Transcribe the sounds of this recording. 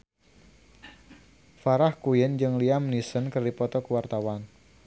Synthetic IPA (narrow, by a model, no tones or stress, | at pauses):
faɾahkujɪnd͡ʒɨŋliamnisənkərdipɔt̪ɔkəwart̪awan